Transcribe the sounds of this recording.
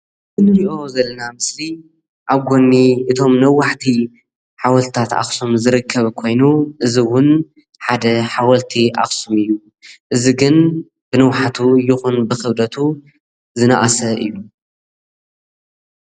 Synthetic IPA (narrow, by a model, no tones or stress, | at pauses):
ʔɨnɨɾiʔo̞zɐlːɐnamɨsli | ʔaβɡo̞nːiʔɨt̪ʰo̞mnɐwːaħt̪ʰi | ħawɐlt̪ʰɨ̥t̪ʰat̪a̰xsomzɨɾɨkʰːɐβkʰo̞jnuʔɨziwʊn | ħad̪ɐħawɐlt̪ʰiʔa̰xsumɨjːu | ʔɨziɡɨn | b̥ɨnɐwħat̪ʰujɪxunbɨxɨβd̪ɐt̪ʰu | zɨnaʔasɐʔɨ̰jːu